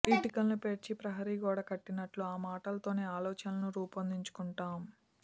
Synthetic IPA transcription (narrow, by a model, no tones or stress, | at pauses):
iʈikɐlnupe̞ːɾt͡ʃipɾɐɦɐɾiːɡoːɽakɐʈːinɐʈluaːmaːʈɐlɐt̪o̞ːne̞ːaːlɔːt͡ʃɐnɐnuɾuːpɐnd̪iɲt͡ʃu̥kuɳʈaːm